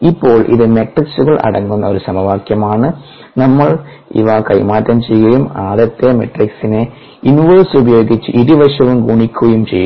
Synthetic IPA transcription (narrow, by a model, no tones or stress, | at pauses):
ipːo̞ːɭʔḭðɨmeʈriksuɣɐɭʔɐ̰ɽɐŋːunːɐoɾusɐmɐʋaːkjɐmaːɳɨ | nɐmːɐɭ | ḭʋakɐjmaːtːɐmt͡ɕejːɣɐjumaːðɐt̪ːemeʈriksine | inʋɐːsubɐjo̞ːɡit͡ɕːɨʔiɾuʋɐʂɐʋumɡuːɳikʲːuɣɐjumt͡ɕejːu